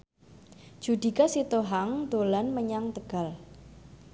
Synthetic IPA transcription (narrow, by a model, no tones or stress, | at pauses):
d̥d͡ʒ̥ṳd̪̥i̤kasit̪oɦaŋd̪̥olanməɲaŋt̪əɡ̥a̤l